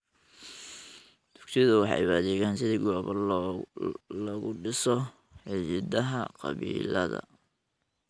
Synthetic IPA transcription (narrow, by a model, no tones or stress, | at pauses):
d̪̥ʊkt̪ʰɪjðʊwɑħɑ̰jbaːðɛːɣaːnsɪðiːɡɔːβɐ | lɐɣʊɖɪsɔ | ħɪjɪd̪ɐɦɐqɑ̰βḭːlɐ̰ðɐ̰